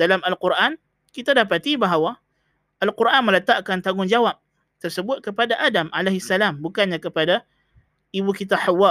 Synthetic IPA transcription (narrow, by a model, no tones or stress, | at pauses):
dalamalquɾʔan | kit̪adapat̪ibaɦawa | ʔalquɾʔanmələt̪aʔkant̪aŋʊŋd͡ʒawap̚ | t̪ərsəbʊt̪̚kəpadaʔadamalaɦisːalambukanɲãkəpada | ibukit̪̬aħawːa